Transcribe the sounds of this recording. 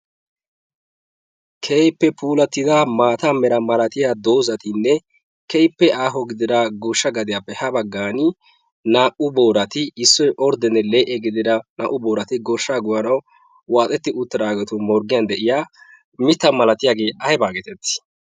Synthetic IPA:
kʰɛjpːɛpʰuːlɐt̪ːɪd̪amaːt̪amɛɾɐmɐlɐt̪ɪjad̪o̞ːzɐt̪ɪnːɛ | kɛjpːɛʔaːɦɔɡɪd̪ɪd̪ɐɡoʃːɐɡɐd̪ɪjaːpːɛhɐbɐɡːaːnɪ | naːʔʊbo̞ːɾɐt̪ɪɪsːɔjʔɔɾd̪ɛnːɛleːʔɛɡɪd̪ɪd̪ɐna̰ːʔʊbo̞ːɾɐt̪ɪɡɔʃːaːɡʊwɐnɐw | waːt̪ʼɛt̪ːɪʔʊt̪ːɪd̪aːɡɛt̪ʊmɔɾɡɪjɐnd̪ɛʔɪjaː | mɪt̪ːɐmɐlɐt̪ɪjaːɡeːʔɐjɛbaːɡɛt̪ɛt̪ːɪ̥

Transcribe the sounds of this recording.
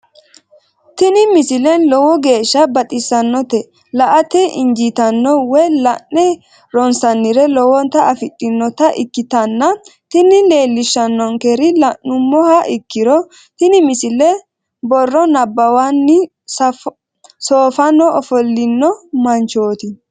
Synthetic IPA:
t̪ɪnɪmɪsɪlɛnlɔwɔɡe̞ːʃːɐbɐt̪ʼɪsːɐnːɔt̪ɛ | lɐʔɐt̪ɛʔɪ̰nd͡ʒit̪ɐnːɔwɛjlɐnːɛ | ɾɔnsɐnːɪɾɛlɔwɔnt̪ɐɐfɪt̪ʼːɪnːɔt̪ɐʔɪkːɪt̪ɐnːɐt̪ɪnɪle̞ːlːɪʃːɐnːɔŋkɛɾɪlɐʔʊmːɔhɐʔɪkːɪɾɔ | t̪ɪnɪmɪsɪlɛ | bɔrːɔnɐbːɐwanːɪ | s | soːfɐnːɔɔfɔlːɪnːɔmɐnt͡ʃoːt̪ɪ

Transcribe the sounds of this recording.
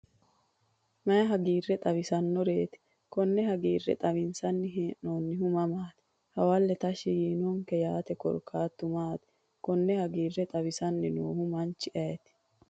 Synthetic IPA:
mɐjɐɦɐɡiːrːɛt̪ʼɐβɪsɐnːɔɾeːt̪ɪ̥ | kɔnːɛhɐɡiːrːɛ̰t̪ʼɐβɪnsɐnːɪɦeːʔnoːnːɪɦʊmɐmaːt̪ɪ̥ | hɐwɐlːɛt̪ɐʃɪɡiːnɔŋkɛjaːt̪ɛkɔ̰ɾkʰaːt̪ːʊmaːt̪ɪ̥ | kɔnːɛhɐɡiːrːɛt̪ʼɐbɪsɐnːɪnoːhʊmɐnt͡ʃːɪʔɐjɛt̪ɪ̥

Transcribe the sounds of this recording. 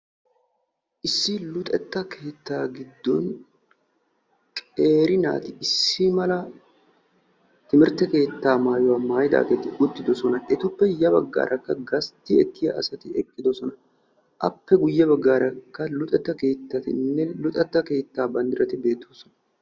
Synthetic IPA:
ʔɪsːɪlʊt̪ʼɛt̪ːɐkʰe̞ːt̪ːaːɡɪd̪ːɔn | kʼe̞ːɾɪna̰ːt̪ɪɪsːimɐlɐ | t̪ɪmɪɾt̪ɛke̞ːt̪ːaːmaːjʊwaːmaːjɪd̪a̰ːɡeːt̪ɪʔʊt̪ːɪd̪ɔsɔnɐʔɛt̪ʊpːɛjɐbɐ̰ɡːa̰ːɾʔɐkːɐɡɐst̪ːɪɛkːɪjɐ̰ʔːsɐt̪ɪɛkʼːɪd̪ɔsɔnɐ | ʔɐ̰pːɛɡʊjːɐbɐɡːaːɾɐkːɐlʊt̪ʼɛt̪ːɐke̞ːt̪ːɐt̪ɪnːɛlʊt̪ʼɛt̪ːɐke̞ːt̪ːaːbɐnd̪ɪɾɐt̪ɪbe̞ːt̪ːoːsɔnɐ

